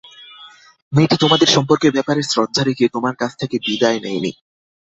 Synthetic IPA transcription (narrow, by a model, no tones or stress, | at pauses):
miʈit̪omad̪eɾʃɔmpoɾkebɛpaɾeɾsɾɔd̪d͡ʑʱaɾiket̪omaɾkat͡ɕʰt̪ʰekebid̪aenejnḭ